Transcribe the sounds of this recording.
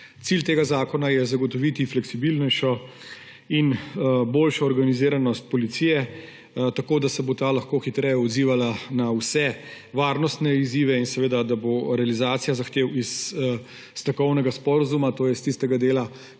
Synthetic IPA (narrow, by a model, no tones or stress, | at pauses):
t̪silt̪eːɡazaːkɔnajɛzaɡɔt̪ɔʋit̪iflɛksibilnɛʃɔ | inboːlʃɔːɾɡaniziːɾanɔst̪̚pɔlit̪sijɛ | t̪akoːd̪asɛbot̪alɐxkoːxit̪ɾɛjɛɔd̪ziːʋalanawsɛ | ʋaːɾnɔst̪nɛiziːʋɛinsɛʋeːd̪ad̪aboɾɛalizaːt̪sijazaxt̪eːwisː | t̪ɐkɔwnɛɡaspɔɾazumat̪oːjɛst̪ist̪ɛɡad̪eːla